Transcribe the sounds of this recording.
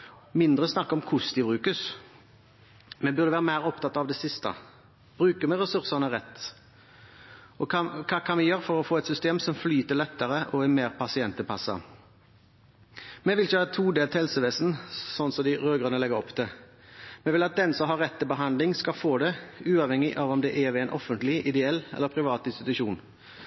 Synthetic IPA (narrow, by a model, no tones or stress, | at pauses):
mɪnd̪ʁəsnɑkːəɔmkʰʊsd̪ɪbɾʉːkəs | mɛbʉʁd̪əʋæːʁəmæɪʁɔpt̪ɑt̪ːɑʋd̪ɛsɪst̪ə̰ | b̥ɾʉːkəmɛɾɛsʉɾsənəʁɛt̪ː | ɔɑkʰɑkʰɑnmɛjøːɾfɔɾɔfoːɛt̪sʏst̪eːmsɔmflyːt̪əlɛt̪ːəɾəʔɔɛmeːɾpʰɑsɪɛnt̪əpʰɑsːɑ̰ | mɛʋɪlçəhɑːt̪ʰuːd̪eːlt̪hɛlsəʋeːsn̩sɔnːsɔd̪ɪɾøːɡʁənəlɛɡəɾɔpːd̪ɛ | mɛʋɪlɑt̪̚d̪ɛnsɔmɦɑɾːɛt̪ːɪlbəɦɑnd̪lɪŋskɑlfoːd̪ɛʉːɑʋhɛŋːɪʔɑʋɔmd̪ɛʔɛʋɪɛɪnʔɔfənt̪lɪʔɪd̪ɛɛlːɛ̰lːəpʰɾɪʋɑːt̪ɪnst̪ɪt̪ʉʃuːn